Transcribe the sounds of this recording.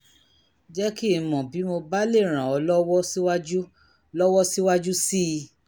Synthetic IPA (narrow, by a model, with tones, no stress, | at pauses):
d͡ʒɛ˦ki˦˨mɔ̃˨bi˨˦mo˧ba˦le˦˨ɾ̃ã˨ɔ˨˧lɔ˦wɔ˦si˦wa˦d͡ʒu˦ | lɔ˦wɔ˦si˦wa˦d͡ʒu˦si˦˧